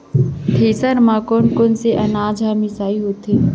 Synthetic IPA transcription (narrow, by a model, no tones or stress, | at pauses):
t̪ʰeːsəɾmãːkoːnkonseʔɐnaːd͡ʒʱaːmisaːiɦoːt̪eː